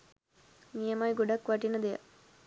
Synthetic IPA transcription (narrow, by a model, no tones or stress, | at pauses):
nijɐmaːjɡuɖɐkːʋɐʈinɐd̪ejɐ̰